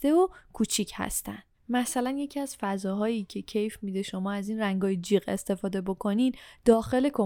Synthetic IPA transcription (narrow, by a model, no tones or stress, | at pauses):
t̪e̞okʰuːt͡ʃʰicʰhæ̰st̪æ̰nd̥mæsælænje̞cʰiæz̥fæzɒːɦɒːjiːcʰe̞cʰe̞jfmiːd̪e̞ʃo̞mɒːæziːnræŋɡɒːjed͡ʒiːɣe̞̰st̪e̞fɒːd̪e̞bo̞kʰo̞niːd̪̥ɒːxe̞le̞kʰo